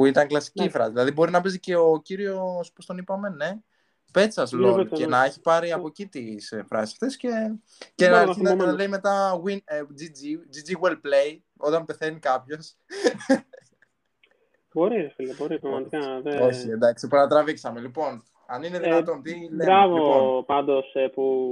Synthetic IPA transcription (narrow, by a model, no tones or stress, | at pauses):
puit̪ɐŋklɐsi̥cifɾɐ̰siðilɐðibo̞ɾinɐpezice̞ociɾio̞spo̞st̪o̞nipɐme̞ne̞ | pe̞t͡sɐzloenɐeçi̥pɐɾiɐpocit̪isfɾɐ̰sisɐ̥ft̪e̞sce̞ | cenɐeɾθinɐlejime̞t̪ɐɣwind͡zid͡zid͡zid͡ziɣwelpleji | o̞t̪ɐnpeθe̞nikɐpço̞s | bo̞ɾiɾefilɐbo̞ɾipɾɐɣmɐt̪ikɐðeoçiend̪ɐksipnɐt̪ɾɐviksɐme̞lipo̞n | ɐnineðinɐt̪o̞nt̪ilɾɐvoopɐnd̪o̞sepu